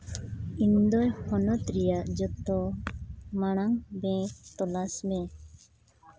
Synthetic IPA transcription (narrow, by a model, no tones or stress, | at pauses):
ind̪ɔjhɔnɔt̪ɾɛjaʔd͡ʒɔt̪ɔ | maɽ̃aŋbɛ̃k̚t̪ɔlasmɛ